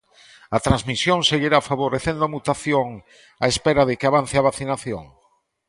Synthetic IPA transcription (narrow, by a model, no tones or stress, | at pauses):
at̪ɾanzmisjoŋseɣiɾafaβoɾeθẽnd̪oamut̪aθjoŋ | a̰espeɾaðɪkeaβan̟θeaβaθinaθjo̰ŋ